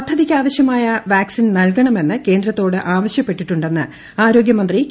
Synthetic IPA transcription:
t̪ʰːɐðikʲːaːʋɐɕjɐmaːjɐʋaːksinnɐlkɐɳɐme̞nːɨke̞ːnd̪ɾɐt̪ːo̞ːɽɨʔaːʋɐɕjɐpːe̞ʈːiʈːuɳɖe̞nːɨ | aːɾo̞ːɡjɐmɐnd̪ri

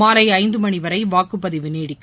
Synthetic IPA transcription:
aːɾɐɪɐɪnd̪ɯmɐɳiʋɐɾɐɪʋaːkɯpːɐðɪʋɯneːɽɪkː

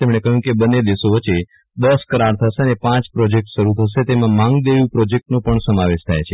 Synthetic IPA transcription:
t̪emɳ̃ekəɦjũkebənːed̪esoʋəːt͡ʃːe | d̪əskəɾaɾt̪ʰəʃeənepãt͡ʃpɾɔd͡ʒek̚ʈʃəɾut̪ʰəʃet̪emãmãŋɡd̪eʋjũpɾɔd͡ʒek̚ʈnõpəɳsəmaʋeʃt̪ʰajt͡ʃʰe

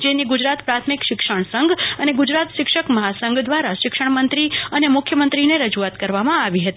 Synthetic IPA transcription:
d͡ʒeniɡʊd͡ʒɾat̪pɾat̪ʰmikʃɪkʃəɳ̃səŋɡəneɡʊd͡ʒɾat̪ʃɪkʃəkməɦasəŋɡd̪ʋaɾaʃɪkʂəɳmənt̪ɾiənemʊkʰjəmənt̪ɾineɾəd͡ʒuat̪kəɾʋamãaʋiɦət̪ii

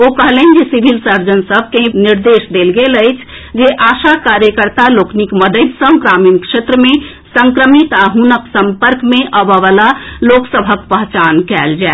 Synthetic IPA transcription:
okəɦələnd͡ʒesibʱilsəɾd͡ʒənsəbʱkeniɾd̪esd̪elɡeləɪt͡ʃʰd͡ʒeʔasakaɾjəkəɾt̪aloknikməd̪əd̪sə̃kɾaminkʃet̪ɾəme | səŋkɾəmit̪aɦunəksəmpəɾkmeʔəbəʋəlaloksəbʱəkpəɦt͡ʃankɛld͡ʒae

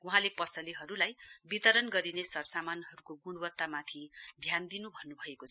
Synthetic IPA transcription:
uɦãlepʌsʌliɦʌɾulajbit̪ʌɾʌnɡʌɾinesʌrsamanɦʌɾukoɡuɽ̃wʌt̪ːamat̪ʰid̪ʱjand̪inubʱʌnːubʱʌekot͡sʰʌ

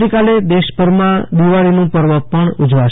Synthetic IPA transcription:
ikaled̪eʃbəɾmãd̪iʋaɭinũpəɾʋəpəɳʊd͡ʒʋaʃ

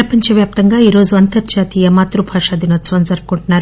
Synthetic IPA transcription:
ɾɐpɐɲt͡ʃɐʋjaːp̚t̪ɐŋɡaːiːɾo̞ːzuɐnt̪ɐɾd͡ʒaːt̪iːjɐmaːt̪ɾubʱaːʂaːd̪inɐt͡ʃɐʋɐnzɐɾkuɳʈunːaːɾu

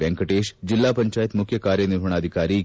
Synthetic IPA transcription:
ɛŋkɐʈeːʃd͡ʒilːaːpɐɲt͡ʃaːjt̪mukʰjɐkaːɾjɐniɾɦɐɳ̃aːd̪ʱikaːɾiː

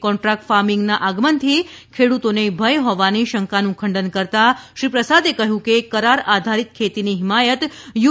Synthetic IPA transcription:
kɔ̃ɳʈɾak̚ʈfaɾmɪŋɡnaʔaɡmənt̪ʰi | kʰeɽut̪onebʱəjɦɔʋaniʃəŋkanũkʰəɳɖənkəɾt̪aʃɾipɾəsad̪ekəɦjũkekəɾaɾad̪ʱaɾit̪̚kʰet̪iniɦɪmajət̪ju

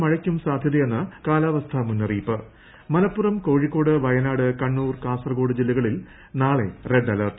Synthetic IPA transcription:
mɐɻɐkʲːumsaːd̪ʱjɐðɐjenːɨkaːlaːʋɐst̪ʰɐmunːɐriːpːɨ | mɐlɐpːurɐmko̞ːɻikːo̞ːɽɨʋɐjɐnaːɽɨkɐɳːuːrkaːsɐrɐɡo̞ːɽɨd͡ʑilːɐɣɐɭil | naːɭe̞reɖɐlɐrt̪

